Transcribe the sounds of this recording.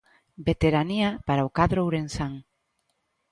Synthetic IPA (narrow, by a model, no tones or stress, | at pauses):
bet̪eɾaniapaɾaokaðɾowɾensaŋ